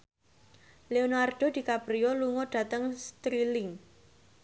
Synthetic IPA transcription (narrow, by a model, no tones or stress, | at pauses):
leonarɖ̥o̤d̪̥i̤kapɾiɔluŋɔɖ̪̥ä̤t̪əŋst̪ɾilɪŋ